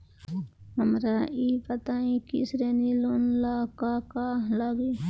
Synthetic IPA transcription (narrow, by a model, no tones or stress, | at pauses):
ɦəmɾaipət̪aĩkɪ̰sɾeniloːnlakakaːlaɡe